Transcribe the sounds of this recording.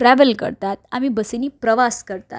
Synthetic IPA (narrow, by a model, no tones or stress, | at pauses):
ʈɾɛʋəlkə̰ɾt̪at̪̚a̰mibəseniːpɾəʋaskəɾt̪a̰t